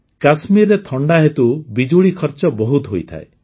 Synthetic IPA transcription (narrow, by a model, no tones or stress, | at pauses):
kasmiɾet̪ʰɔɳɖaɦet̪ubid͡ʒuɭikʰɔɾt͡ʃɔbɔɦut̪ɦojt̪ʰa̰e